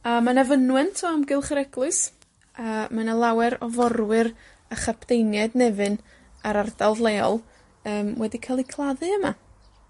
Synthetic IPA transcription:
amanavənwɛntʰɔamɡɪlˠχəɾɛɡ̥lˠʊɨs | amanalˠawɛɾɔvɔɾwɨɾ | aχapʰd̥ejnjɛdnɛvɨn | aɾardalˠvlˠeːɔ̰lˠ | əːmwɛdikʰalˠikʰlˠaðɨəma

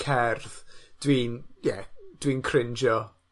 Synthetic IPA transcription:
kʰɛrðd̥wiːnjɛd̥wiːnkʰrɪnd͡ʒjɔ

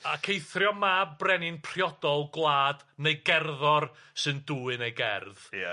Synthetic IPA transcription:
akʰejθrjɔmabrɛnɪnpʰr̥jɔd̥ɔlˠɡlˠaːdnejɡɛrðɔrsɨnduːɨnejɡɛ̰rða

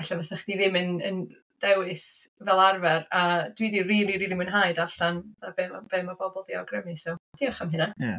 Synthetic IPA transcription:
aɬavɛsaχdiðɪmənə̰n | d̥ɛwɨsvɛlˠarvɛradwidiriːliɾiɾimənɦaɨdaɬanðabɛmab̥ɛmɔbɔbɔlˠviɔɡrəmɨsɔwd̥iːɔχamɦɪna

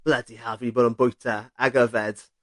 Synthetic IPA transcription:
lɛdihaviboːdənbʊjtʰaaɡəvɛd̥

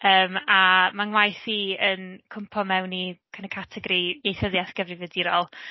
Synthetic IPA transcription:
əːmamaŋwajθiənkʰʊmpʰɔmɛwnikʰanəkʰatʰɛɡɾiejθəðjaθɡ̥əvrɨvədiɾɔːlˠ

